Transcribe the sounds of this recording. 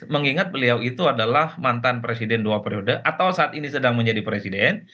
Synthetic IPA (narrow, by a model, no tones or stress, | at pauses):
məŋiŋat̪̚bəliawit̪uadalahmant̪anpɾesidɛnduapeɾiodəʔat̪awsaʔat̪inisədaŋməɲd͡ʒadipɾesidɛn